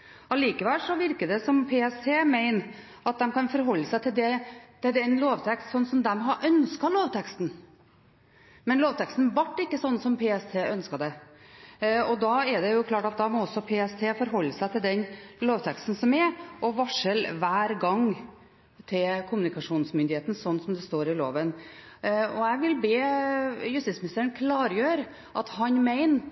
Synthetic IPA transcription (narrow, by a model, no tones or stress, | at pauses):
ɑliːkəʋɛlʂɔʋɪɾkəɖ̪ɛsɔmpʰeːɛst̪ʰeːmæɪn | ɑt̪̚d̪ɛmkɑnfɔɾɦɔlːəsæɪt̪ʰɪld̪ɛt̪ɛd̪ɛnloːʋt̪ʰɛkst̪sɔnːsɔmd̪ɛmɦɑʔœnskɑloːʋt̪ʰɛkst̪n̩ | mɛnloːʋt̪ʰɛkst̪n̩ʋɑʈːɪkːəsɔnːsɔmpʰeːɛst̪ʰeːʔœnskɑd̪ɛ | ɔd̪ɑɛɖ̪ɛjʊkʰlɑːʈɑt̪̚d̪ɑːmɔɔsːɔpʰeːɛst̪ʰeːfɔɾɦɔlːəsæɪt̪ʰɪld̪ɛnloːʋt̪ʰɛkst̪n̩sɔmɛʔɔʋɑʂəlʋæːɾɡɑŋ | t̪ʰɪlkʰʊmʉnɪkɑʂuːnsmʏnd̪ɪheːt̪nsɔnːsɔmd̪ɛst̪oːɾɪlo̰ːʋən | ɔɛʋɪlbeːjʉst̪ɪt̪smnɪst̪əɾənkʰlɑːɾjøːɾ | ʔɑt̪hɑnmæɪn